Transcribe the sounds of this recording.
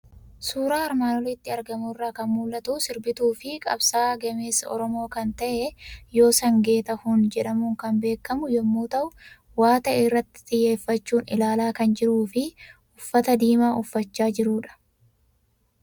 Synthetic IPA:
suːɾaːɪɾmaːnɔlɪt̪ːɪɐɾɡɐmuːrːaːkɐnmuːlːɐt̪uːsɪɾbɪt̪uːfɪkʼɐ̰bsaːɡɐme̞ːsːɐ̰ʔɔ̰ɾɔmo̞ːkɐnt̪ɐʔɛjo̞ːsɐŋɡe̞ːt̪ɐhʊnd͡ʒɛᶑɐmuːŋkɐnbe̞ːkːɐmʊjɔmːuːt̪ɐʔʊ | waːt̪ɐʔɪrːɐt̪ːɪ̥t̪ʼɪjːe̞ːfːɐt͡ʃːuːnɪ̰laːlaːkɐnd͡ʒɪɾuːfɪ | ʊfːɐt̪ɐd̪iːmaːʊfːɐt͡ʃːaːd͡ʒɪɾuːᶑɐ̥

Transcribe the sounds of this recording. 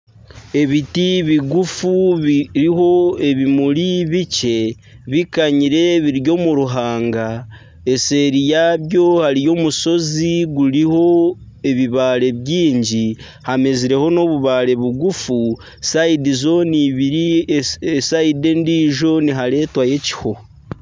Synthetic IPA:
e̞βitiβiɡufuβɾiɦo̞e̞βimuɾiβice̞ | βikaɲiɾe̞βiɾjo̞muɾuɦaːŋɡa | e̞se̞ːɾijaβjo̞haɾijo̞ːmuso̞ziɡuɾiho̞ | e̞βiβaːɾe̞βjiːɲɟi | hame̞ziɾe̞ho̞no̞βuβaːɾe̞βuɡufu | saidizo̞niβii | saide̞ndiʒo̞niɦaɾe̞ːtwaje̞ci̥ho̞

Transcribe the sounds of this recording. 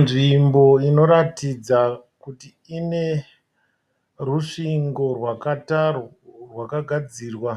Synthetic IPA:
nʐimbo̞ino̞ɾatid͡zakutiːne̞ | ruʂiŋɡo̞rwakata | rwakaɡʱad͡ziːrwa

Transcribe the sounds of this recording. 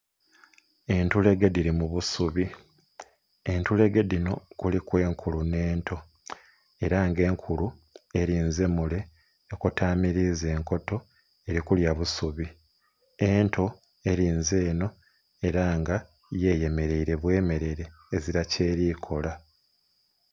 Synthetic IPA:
e̞ntule̞ɡe̞diɾimuβusuβi | e̞ntule̞ɡe̞dino̞kulikwe̞ːŋkʰulune̞ːntʰo̞ | e̞ɾaŋɡe̞ːŋkʰulue̞ɾiːnze̞mule̞ː | kutaːmiɾize̞ːŋko̞to̞ | e̞ɾikuljaβusuβi | e̞ntʰo̞ | e̞ɾiːnze̞ːno̞ | e̞ɾaŋɡa | je̞ːje̞me̞ɾe̞iɾe̞βwe̞ːme̞ɾe̞ɾe̞ːziɾace̞ːɾiːkʰo̞la

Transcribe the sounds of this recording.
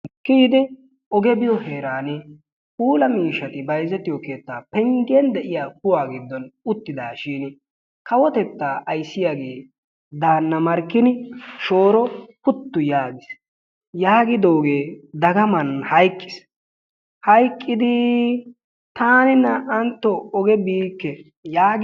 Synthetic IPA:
kiːd̪ɪ | ʔɔɡɛbɪjɔheːɾaːnɪ | puːlɐmiːʃɐt̪ɪbɐjzɛt̪ːɪjɔkeːt̪ːaːpɛŋɡɛnd̪ɛʔɪjaːk̚ʊwaːɡɪd̪ːɔnʊt̪ːɪd̪aːʃiːn | kɐwɔt̪ɛt̪ːaːʔɐjsːɪjaːɡe̞ː | d̪aːnːɐmɐɾkːɪnɪʃo̞ːɾɔpʊt̪ːʊjaːɡɪs | jaːɡɪd̪o̞ːɡeːd̪ɐɡɐmɐnhɐjkʼːɪ̥s | hɐjkʼːɪd̪ɪ | t̪aːnɪnːɐʔɐnt̪ːɔɔɡɛbiːkːɛ | jaːɡ

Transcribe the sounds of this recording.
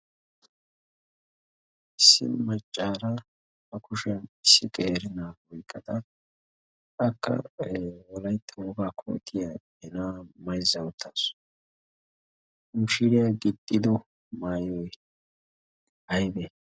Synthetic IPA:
ɪsːɪ̰mɐt͡ʃʼːaːɾɐ | hɐkʊʃɛnɪsːɪkʼeːɾɪnaːwɔjkʼːɐd̪ɐ | ʔɐkːɐ̰wɔlɐjt̪ːɐwɔɡaːkʰo̰ːt̪ʰːɪja | ɛnamɐjzːɐwʊt̪ʰːasʊ̥ | ʊːʃɪɾɪjaɡɪt̪ʼːɪd̪ɔ | maːjɔj | hɐjbɛ

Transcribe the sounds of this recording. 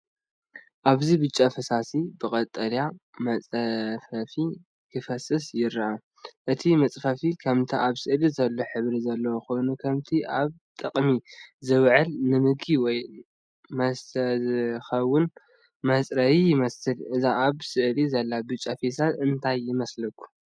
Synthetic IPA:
ʔaβzibɨt͡ʃʼɐfɐsasibɨkʼɐt̪ʼːɐljamɐt͡sʼfɐfi | kʰɨfɐsɨsjɪɾɐʔa | ʔɨt̪ʰimɐt͡sʼfɐfikʰɐmt̪ʰiʔaβsɨʔlizɐlːoħɨβɾizɐlːɐwoxojnukʰɐmt̪ʰiʔaβ | t̪ʼɨqʼmizɨβʕɨlnɨmɨɡiwɔj | mɐszxɐwːʊn | mɐsʼɾɐjijɪmɐsɨlʔɨzaʔaβsɨʔlizɐlːabɨt͡ʃʼːɐfesat̪ɨnt̪ʰajːɪmɐslɐkʰːu̥

